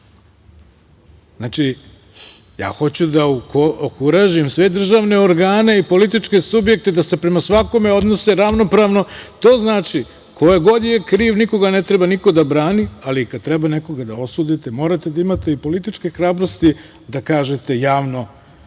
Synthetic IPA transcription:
znaːt͡ʂi | ja̰ːxo̞t͡ɕud̪akookuɾaʒimsʋe̞d̪r̩ʒaːʋne̞oɾɡaːne̞ipo̞lit̪it͡ʃke̞subje̞k̚t̪e̞d̪ase̞pɾe̞masʋako̞me̞o̞d̪no̞seɾaʋno̞pɾaːʋno̞t̪o̞ːznaːt͡ʃi | kʰo̞jeɡo̞d̪jjekɾiːʋniko̞ɡane̞t̪ɾe̞baniko̞d̪abɾaːnialikad̪̚t̪ɾebane̞ko̞ɡad̪ao̞suːd̪it̪emo̞ːɾat̪e̞d̪aimat̪eipo̞lit̪it͡ʃke̞xɾaːbɾost̪i | d̪akaːʒe̞t̪e̞jaːʋno̞

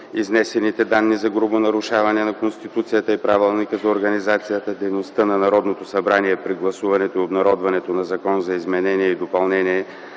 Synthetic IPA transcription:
iznɛsɛnit̪ɛd̪anːizɐɡɾubonɐɾuʃavɐnɛnɐkonst̪it̪ut̪sijət̪əipɾavɛlˠnikəzɐoɾɡɐnizat̪sijət̪əd̪ɛjnost̪ənɐnɐɾɔd̪not̪osɐbɾaniɛpɾiɡlˠɐsuvɐnɛt̪oiobnɐɾɔd̪vɐnɛt̪onɐzɐkɔnzɐizmɛnɛniɛid̪opɐlˠnɛniɛ

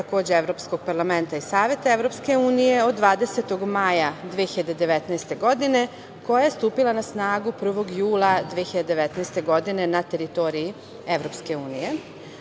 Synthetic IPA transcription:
t̪ako̞ːd͡ʑeeʋɾo̞psko̞ɡ̥̚paɾlˠame̞nt̪aisaːʋje̞t̪aevɾopske̞uːnije̞od̪ːʋaːd̪e̞set̪o̞ɡmajad̪ʋieçiʎad̪ed̪e̞ʋet̪nɛjst̪e̞ɡo̞d̪ine̞ | ko̞jajest̪uːpilˠanasnaːɡupr̩ʋo̞ɡjuːlˠad̪ʋieçiʎad̪ed̪eʋet̪nɛest̪e̞ɡo̞d̪ine̞nat̪e̞ɾit̪o̞ːɾii | eʋɾo̞pske̞uːnije̞

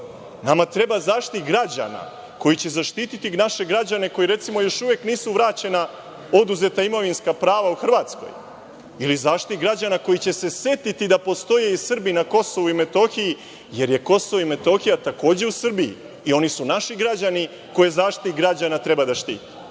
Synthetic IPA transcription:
namat̪ɾe̞bazaːʃt̪itɡɾad͡ʑa̰na̰ | ko̞jit͡ɕe̞zaʃt̪it̪it̪inaʃe̞ɡɾad͡ʑane̞ko̞jiɾe̞t̪simo̞jo̞ʃuʋekniːsuʋɾaːt͡ɕe̞na | o̞d̪uze̞t̪aimo̞ʋinskapɾaːʋauxr̩ʋaːt̪sko̰j | ilizaːʃt̪iɡɾad͡ʑanako̞jit͡ɕe̞se̞se̞t̪it̪id̪apo̞st̪o̞jeisr̩binako̞so̞ʋuime̞t̪o̞xiji | je̞ɾje̞ko̞soʋoime̞t̪o̞xijat̪ako̞ːd͡ʑe̞usr̩bijḭː | o̞nisunaʃiɡɾad͡ʑani | ko̞jezaːʃt̪itɡɾad͡ʑanat̪ɾe̞bad̪aʃt̪ḭːt̪e̥

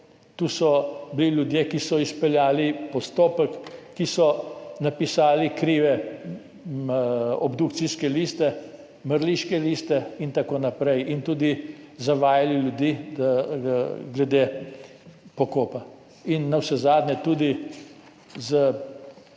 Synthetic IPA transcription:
t̪uːsɔbililʲjud̪jekisɔispɛljaːlipɔst̪oːpəkːisɔnapisaːlikɾiʋɛ | ɔbd̪ukt̪siskɛliːst̪ɛ | məɾliʃkɛliːst̪ɛint̪akoːnapɾɛjint̪uːd̪izaʋaːjaliljud̪i | ɡlɛd̪e | pɔkoːpa | inːawsɛzaːd̪nʲɛt̪uːd̪i | zə

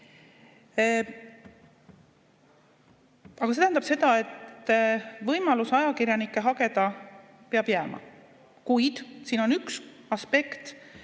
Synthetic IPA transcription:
ɑɡɑset̪æhænd̪ɑb̥se̞d̪ɑe̞t̪ː | vɤjmɑlusɑjɑkirjɑnikːˑe̞ɦɑɡe̞d̪̥ɑ | peɑb̥jæːmɑ̰ | kujd̪̥siːno̞nyks | ɑspe̞kt̪

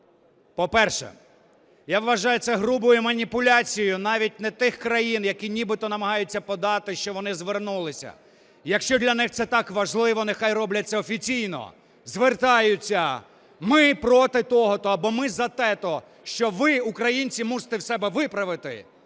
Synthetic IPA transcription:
pɔpɛrʃɛ̰ | jaʋʋɐʒɑjʊsɛɦɾubʊjʊmɐnʲipʊlʲɑt͡sʲijʊnɑʋʲit̚ʲnɛt̪ɪxkɾɐjinjɐkʲinʲibɪt̪ɔnɐmɐɦɑjʊt͡sʲːɐpɔd̪ɑt̪ɪʃt͡ʃɔʋɔnɪzʋernulˠɪsʲɐ̰ | jɐkʃt͡ʃɔd̪lʲɐnɪxt̪sɛt̪ɑkʋɐʒlˠɪʋɔnɛxɑjrɔblʲɐt͡sʲːɐɔfʲit͡sʲijnɔ̰ | zʋert̪ɑjʊt͡sʲːɐ | mɪpɾɔt̪ɪt̪ɔɦɔt̪ɔːbɔmɪzɐt̪ɛt̪ɔ | ʃt͡ʃɔʋɪukɾɐjinʲt͡sʲimuʒe̥t̪ɛwsɛbɛʋɪpɾɐʋɪt̪ɪ̰

